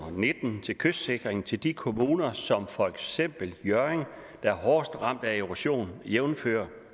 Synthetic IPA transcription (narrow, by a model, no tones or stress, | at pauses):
ne̝d̥n̩t͡sʰe̝lkʰøsse̝ɡ̥ʁeŋn̩t͡sʰe̝ld̥ikʰo̝muːnɐsɒ̽mfɒ̽eɡ̥sem̰b̥l̩jɶɐeŋd̥ɑ̈æɐɦɒːsd̥ʁɑ̈m̰d̥æeʁuɕo̝̰ːnjeʊnfø̰ːɐ